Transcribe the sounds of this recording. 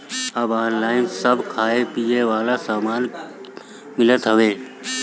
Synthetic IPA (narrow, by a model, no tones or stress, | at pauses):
əbaːnlaːɪmsəbkʰaːepijeʋaːlasaːmaːn | mɪlət̪ɦəʋeː